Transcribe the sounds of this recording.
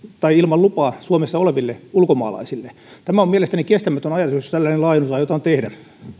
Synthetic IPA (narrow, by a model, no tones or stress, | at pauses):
t̪ɑiilmɑllupɑːsuomesːɑoleʋilːeulkomɑ̰ːlɑ̰isilːe | t̪æmæomielest̪ænikest̪æmæt̪ønɑjɑt̪usjost̪ælːæinelɑinusɑːjot̪ɑnt̪ehdæ